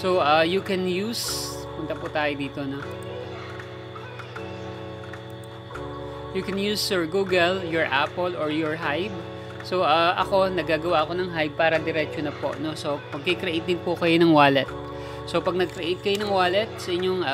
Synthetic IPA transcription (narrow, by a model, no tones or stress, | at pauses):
soʔajukɛnjuːspɐpʊnt̪ɐpʊt̪aːjod̪iːt̪ono | jukɛnjuːsɔɹɡuːɡɛljɔɹʔa̰ːpolʔɔɹjɔɹɦajb | so̞ʔaʔɐ̰ko̞nɐɡaːɡɐwaʔɐko̞nɐŋɦajb̚paːɾɐd̪ɛɾɛt͡ʃonɐpo̰ʔnoso̞pɐɡ̚kɛkɾɛʔejt̪d̪ɪn̚pʊkɐjonɐŋwaːlɛt̪̚ | so̞pɐɡ̚nɐɡ̚kɾɛʔejt̪̚kɐjonɐŋwaːlɛt̪̚sɐʔɪɲːoŋː